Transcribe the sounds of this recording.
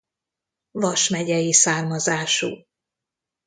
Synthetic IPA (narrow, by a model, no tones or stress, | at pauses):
vɒʃmɛɟɛjisaːrmɒzaːʃṵː